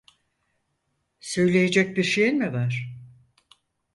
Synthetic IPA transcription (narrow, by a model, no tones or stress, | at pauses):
sø̞jlʲe̞jed͡ʒɛc̚biɾʃejinmivaɾ̥